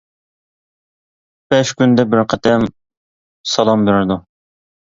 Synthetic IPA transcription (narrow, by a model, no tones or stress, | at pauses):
b̥ɛʃkʲynd̪ɛbɪɾqʰæt̪ʰɛm | sɑlˠɑmbeɾɪd̪u